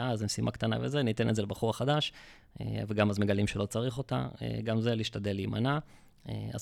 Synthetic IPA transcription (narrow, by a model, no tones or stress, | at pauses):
azemsimʔa̰kt̪ana̰vezenit̪enetzelebaχuʁaχad̪aʃ | ḛveɡamazme̞ɡalimʃelo̞t͡saʁiχo̞t̪a̰ḛɡamzeliʃtad̪elːiːmana | ḛa̰z